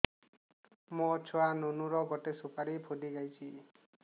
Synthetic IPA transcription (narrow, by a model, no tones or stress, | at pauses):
mot͡ʃʰɔanonuɾɔɡɔʈesupaɾipʰudiɡajt͡ʃʰi